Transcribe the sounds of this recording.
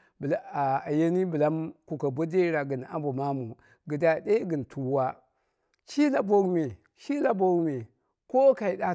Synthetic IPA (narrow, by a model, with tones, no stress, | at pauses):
bla˦˨a˨je˦ni˦bə˨la˦mku˨ka˨bo˦de˦ɾa˨ɡə˨n˨a̰˦m˦bo˨ma˦mu˨ | ɡə˨da˨de˦ɡi˨n˨tʰu˨wa˦ | t͡ʃi˦la˦bo˦ɡme˨ | ʃi˦la˦bo˦ɡme˨ | ko˦ka˨i˨da˦